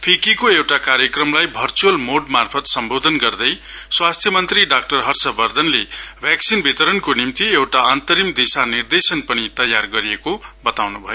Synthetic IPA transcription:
pʰikikoewʈakaɾjʌkrʌmlajbʱʌrt͡suʌlmoɖmarpʰʌt̪sʌmbod̪ʱʌnɡʌrd̪ʌj | swast̪ʰjʌmʌnt̪riɖak̚ʈʌrɦʌrsʌbʌrd̪ʱʌnlebʱjaksinbʱit̪ʌɾʌnkonimt̪iewʈaʌnt̪ʌɾimd̪isanird̪esʌnpʌnit̪ʌjːarɡʌɾiekobʌt̪awnubʱʌjo

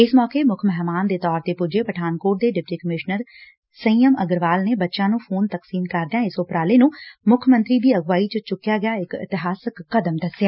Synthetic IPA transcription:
ɪsmɔːkeːmʊkʰmɛɦmaːnd̪eːt̪ɔːɾt̪eːpʊd͡ʒeːpəʈʰaːnkoːʈ̚d̪eːɖɪp̚ʈiːkəmɪʃnəɾ | səĩːəməɡəɾʋaːlneːbətːʃãːnũːpʰoːnt̪əksiːnkəɾd̪ejãːɪsʊpɾaːleːnũːmʊkʰmə̃nt̪ɾiːd̪iːəɡʋaːiːt͡ʃət͡ʃʊkːjaːɡɪjaːɪkɪ̰t̪ɪɦaːsəkːəd̪əmd̪əsɪjaː

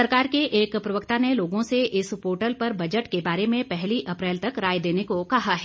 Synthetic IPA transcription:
ɐɾkaːɾkeʔeːkpɾɐʋəkt̪aneloːɡõseʔɪspoːʈəlpɐɾbɐd͡ʒəʈkebaːɾemẽpɛɦliʔɐpɾɛːlt̪ɐkɾaːjd̪eːnekokɐɦaɦɛː

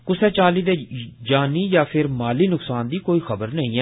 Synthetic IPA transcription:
kʊsɛːt͡ʃaːliːd̪eːd͡ʒaːniːjaːpʰɪɾmaːliːnʊksaːnd̪iːkoːiːxəbəɾnəĩːɛː

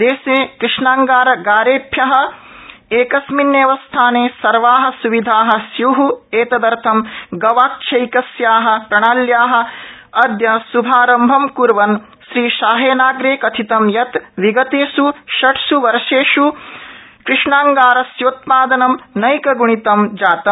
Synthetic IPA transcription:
d̪eːseːkɾɪʂɳaːŋɡaːɾɐɡaːɾeːpʰjɐɦɐ̆ | eːkɐsminːjeːʋɐst̪ʰaːneːsɐɾʋaːɦɐ̆suʋid̪ʱaːɦɐ̆sjuɦueːt̪ɐd̪ɐɾt̪ʰɐmɡɐʋaːkʃʰɐjkɐsjaːɦɐ̆pɾɐɳaːljaːɦɐ̆ɐd̪jɐsubʱaːɾɐmbʱɐmkuɾʋɐn | ʃɾiːʃaːɦeːnaːɡɾeːkɐt̪ʰit̪ɐmjɐt̪ʋiɡɐt̪eːsuʃɐʈʰsuʋɐɾʃeːʃu | kɾɪʂɳaːŋɡaːɾɐsjoːt̪̚paːd̪ɐnɐmnɐjkɐɡuɳ̃it̪ɐmd͡ʒaːt̪ɐm

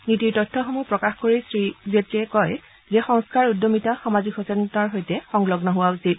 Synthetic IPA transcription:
nitiɹtɔtʰːɔxomupɹɔkaxkoɹisɹizetɹiɛkɔj | zɛxɔŋskaɹudːomitaxamazikhɔsɛntaɹɦojtɛxɔŋlɔɡnɔɦʊwausit̚

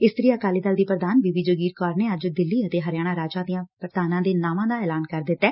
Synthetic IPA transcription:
ɪst̪əɾiːəkaːliːd̪əld̪iːpɾəd̪aːnʋiːʋiːd͡ʒoɡiːɾkɔːɾneːəd͡ʒd̪ɪlːiːət̪eːɦəɾɪjaːɽ̃aːɾaːd͡ʒãːd̪ɪjãːpəɾd̪aːnãːd̪eːnaːmãːd̪aːɛːlaːnkəɾd̪ɪt̪ːɛː

